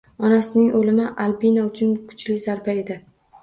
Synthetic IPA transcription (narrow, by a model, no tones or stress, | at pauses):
ɒnasɪnɪŋolɪmɪʔalbinaʊt͡ʃʰʊnkʰʊ̥t͡ʃlɪzaɾbae̞d̪ɪ